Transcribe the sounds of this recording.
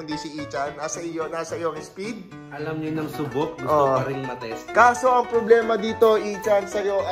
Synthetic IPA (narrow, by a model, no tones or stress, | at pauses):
ŋd̪isiʔiːt͡ʃɐnːasɐʔɪjonasɐʔɪjoŋɪspid̪̚ | ʔɐlɐmɲonɐŋsʊbot̪̚ɡʊʔoɐɾɪnmɐt̪ɛst̪kaːso̞ʔɐŋpɾoblɛːmɐd̪iːt̪o̞ʔiːt͡ʃɐnsɐjo̞ʔɐ